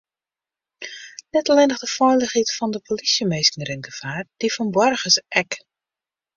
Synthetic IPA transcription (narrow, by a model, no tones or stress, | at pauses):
nɛtəlɪnəχdəfɔjləχitfɔndəpʰolisjəmeːskəŋərɪnɡəfaːrd̥ifɔnbɔrɣəsʔɛk